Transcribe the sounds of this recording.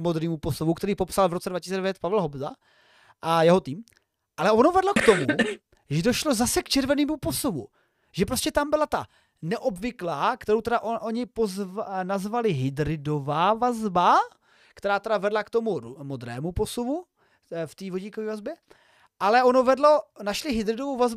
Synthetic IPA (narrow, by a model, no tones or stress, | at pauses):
mod̪ɾiːmuposuvukt̪ɛɾiːpo̞psalvɾot͡sɛdvacɪsit͡sːɛdɛvjɛt̪̚pavɛlɦobza̰ | ʔajɛɦo̞t̪iːm | ʔalɛʔonovɛdlokt̪omu | ʒɛdoʃlo̞zasɛkt͡ʃɛɾvɛniːmupo̞suvṵ | ʒɛpɾoscɛt̪ambɪlat̪a | nɛʔo̞bvɪklaːkt̪ɛɾowt̪ɛdaʔoʔoɲɪpozvnazvalɪɦɪd̪ɾɪdo̞vaːvazba | kt̪ɛɾaːt̪ɛdavɛdlakt̪o̞mumod̪ɾɛ̰ːmupo̞suvu | ft̪iːvoɟiːkoviːvazbjɛ | ʔalɛo̞novɛdlo̞naʃlɪɦɪd̪ɾɪdovowvazb